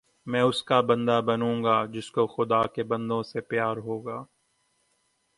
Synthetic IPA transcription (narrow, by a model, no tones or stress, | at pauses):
mɛ̃ːʊskabɐ̃nd̪abɐnũːŋ̆ɡaːd͡ʒɪskoxʊd̪akebɐ̃nd̪õsepjaːɾɦoːɡaː